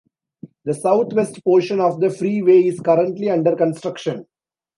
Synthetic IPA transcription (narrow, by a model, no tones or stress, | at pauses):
d̪əsaʊt̪ʰʋesʈpoːɾʃə̃nɔːʋd̪əfɾiːʋeːɪzkʌɾə̃ɳʈliɐ̃ɳɖəɾkə̃nsʈɾʌkʃə̃n